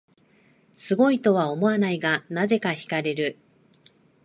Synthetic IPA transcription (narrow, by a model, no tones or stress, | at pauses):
sɨɡo̞it̪o̞β̞ao̞mo̞anaiɡanaze̞kaçi̥kaɾe̞ɾɯ̟